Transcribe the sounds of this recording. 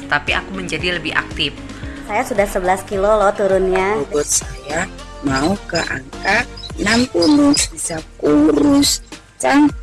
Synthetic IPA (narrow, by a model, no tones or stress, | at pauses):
t̪apiʔakuməɲd͡ʒadiləbɪha̰k̚t̪ɪf | sajasudahsəbəlaskilolɔht̪uɾʊnɲabʊt̪̚saja | maukəʔa̰ŋkanampulʊbisakuɾʊs | t͡ʃaŋ